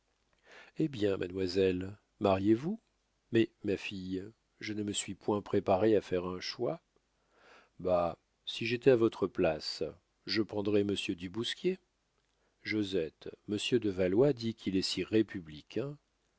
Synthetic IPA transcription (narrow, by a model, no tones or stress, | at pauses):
ebjɛ̃mʔa̰nmwazɛl | maʁjevu | mɛmafij | ʒənəməsɥipwɛ̃pχepaʁeafɛʁɛ̃ʃwa | ba | siʒet̪ɛavɔt̪χəplas | ʒəpχɑ̃d̪ʁɛməsjød̪ybuskʲje | ʒozɛt̪məsjød̪əvalwad̪ikʰʲilɛsiʁepʰyblikʲɛ̃